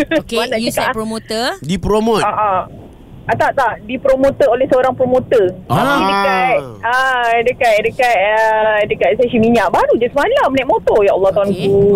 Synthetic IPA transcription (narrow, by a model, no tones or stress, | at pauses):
smalaəskapɾomot̪ədipɾomoaʔa | at̪aʔt̪aʔdipɾomõt̪əolɛhsəoɾaŋpɾomot̪əaidəat̪̚ədəkat̪̚dəkat̪̚ədəkat̪̚sesimiɲãʔbaɾud͡ʒasəmalamənaʔmot̪ɔjaʔalːɑht̪awanku